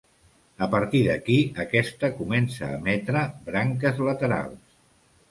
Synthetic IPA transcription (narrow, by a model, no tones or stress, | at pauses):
əpəɾt̪iðəkiəkɛst̪əkumɛnsə̰ːmɛt̪ɾəbɾaŋkəzlət̪əɾa̰lˠs